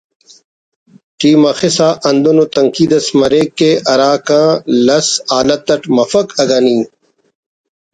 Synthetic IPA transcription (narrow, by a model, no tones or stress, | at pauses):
ʈiːmɐxisaːʔɐnd̪unot̪ɐŋkiːd̪ɐsmɐɾeːkːeʔɐɾaːkãːlɐsaːlɐt̪ːɐʈmɐfɐkɐɡɐniː